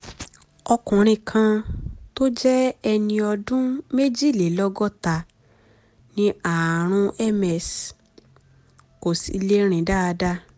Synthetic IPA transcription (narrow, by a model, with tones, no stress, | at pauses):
ɔ˧kũ˨ɾ̃ĩ˧kʰã˧to˦d͡ʒɛ˦ɛ˧nĩ˧ɔ˧dũ˦me˦d͡ʒi˦˨le˨lɔ˦ɡɔ˦ta˧˨ | nĩ˦a˨ɾ̃ũ˧ɛ˦mɛ˨s | ko˨sḭ˨˦le˦ɾ̃ĩ˨da˦a˧da˦